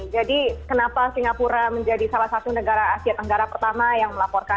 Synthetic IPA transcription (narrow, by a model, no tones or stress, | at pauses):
d͡ʒadikənapasiŋapuɾaməɲd͡ʒadisalahsat̪unəɡaɾaːsiat̪̚nəɡaɾapərt̪amajaŋməlapɔrka